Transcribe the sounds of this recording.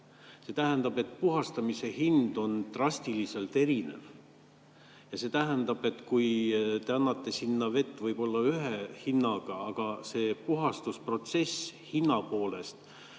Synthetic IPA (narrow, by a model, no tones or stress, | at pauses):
se̞t̪æɦend̪ɑb̥e̞t̪ːpuɦɑst̪ɑmise̞hind̪̥o̞nt̪rɑsʲt̪ilise̞lt̪e̞ɾine̞̰v | jɑse̞ːt̪æɦænd̪ɑb̥e̞t̪ːkujt̪e̞ɑnːɑt̪ːe̞sinːɑve̞t̪ːˑvɤjb̥o̞lːɑyɦehinːɑɡ̥ɑɑɡ̥ɑse̞ːpuɦɑst̪uspro̞t̪se̞shinːɑpo̞ːle̞st̪